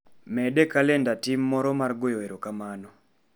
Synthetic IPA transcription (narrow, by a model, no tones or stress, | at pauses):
mɛdɛkalɛndatimːɔɾɔmarɡojoeɾokamanɔ